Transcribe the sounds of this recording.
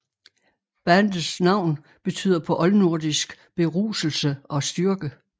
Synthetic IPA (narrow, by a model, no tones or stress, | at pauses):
b̥ænd̥snɑ̈ʊ̰n | b̥e̝t͡sʰy̰ːð̰ˠɐpʰɒ̽ʔɒ̽lnuɐ̰d̥isɡ̥ | b̥e̝ʁṵːsl̩səʔɒ̽sd̥yɐɡ̥ə